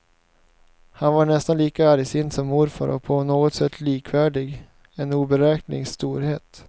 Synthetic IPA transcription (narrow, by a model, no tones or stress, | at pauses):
hanvaɳɛst̪anliːkaæːɾɪsɪnd̪sɔmːʊɾfa̰ɾʔɔ̰pʰɔnoːɡɔt̪sɛt̪ʰːliːkʰvæːɖɪɡ | ɛnuːbɛɾɛːknɪ̰ŋst̪uːɾheːt̪